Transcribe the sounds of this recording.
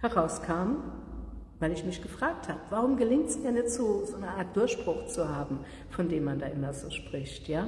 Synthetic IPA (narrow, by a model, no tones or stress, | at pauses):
hɛʁaʊskʰaːm | vaɪlɪçmɪçɡ̥əfʁ̥aːk̚thaːbəvaʁʊmɡəlɪŋtsmiːɐnjɛtz̥oːzoːnəʔaːɐt̚d̥ʊɐʃb̥ʁ̥ʊxt͡suhaːbm̩ | fɔndeːmːandaːʔɪmɐzoːʃpʁ̥ɪçtjaː